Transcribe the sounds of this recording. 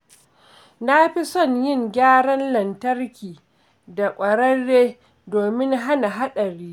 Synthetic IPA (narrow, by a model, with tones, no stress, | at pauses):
na˦ɸi˦sɔ˦˨ɲjɪ˦˨ŋɡʲaː˦ɽɐ˦nlɐ˨ntɐ˦rkʲiː˨ | da˨kʷʼɐ˨ɾɐ˦rːeː˦ | doː˨mɪ˦ŋɦa˦na˨ɦa˦ɗɐ˨ɾiː˦